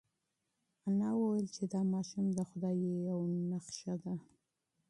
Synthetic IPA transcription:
anɑwəwjəlt͡ʃed̪ɑmɑʃumd̪əxʊd̪ɑjejawnaqʃad̪a

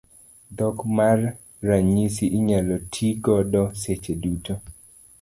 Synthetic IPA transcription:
dɔkmarː | aɲisiʔɪɲalɔtʰiɡɔdɔset͡ʃeduto

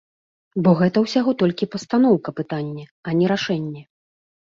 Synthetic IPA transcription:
bɔɣɛt̪ɐwsʲaɣɔt̪ɔlʲkʲipɐst̪an̪ɔwkɐpɨt̪anʲːɛɐnʲɛɾaʂɛnʲːɛ

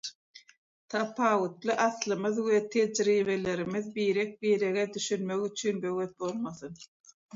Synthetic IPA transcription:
t̪ʰɑpʰɑːwut̪lˠɯʔɑθlˠɯmɯðwet̪ʰe̞d͡ʒɾiːβe̞le̞ɾimiðbiːɾek̚biːɾeɣed̪yʃynmøɣyt͡ʃʰynbø̞ɣet̪̚bo̞lˠmɑθɯn

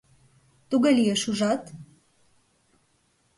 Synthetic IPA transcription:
t̪uɡəlijeʃuʒɑt̪

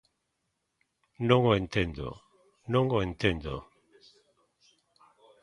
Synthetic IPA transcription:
nõŋoent̪end̪o̰ | nõŋoent̪end̪o̰

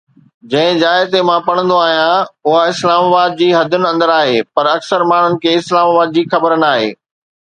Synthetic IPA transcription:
d͡ʑɐ̃ɦɪ̃d͡ʑaːɪt̪emãpɐɽ̃ə̃nd̪oaːɦijãʊɦaɪslaːmaːbaːd̪̚d͡ʑiːɦɐd̪ʱʊnɪ̆ɐ̃nd̪əɾaːɦeːpɐɾɐksəɾmaːɳ̤ʊnɪ̆kʰeːɪslaːmaːbaːd̪̚d͡ʑiːxɐbəɾnaːɦḛː

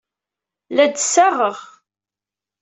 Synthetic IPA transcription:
læd̪saʁəʁ

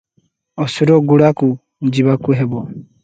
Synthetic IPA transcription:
osiɾoɡulaku | ɲd͡ʒiβakuɦeβwa

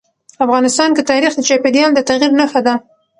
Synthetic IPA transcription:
afɣɑnɪst̪ɑnkət̪ɑɾixd̪ət͡ʃɑped̪jɑld̪ət̪aɣiɾnaxad̪a

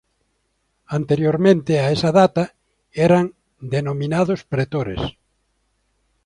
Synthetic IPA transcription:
ant̪eɾjoɾmẽnt̪eaesɐðat̪ɐ | ɛɾɐŋ | d̪enomĩnaðʊspɾet̪oɾḛs

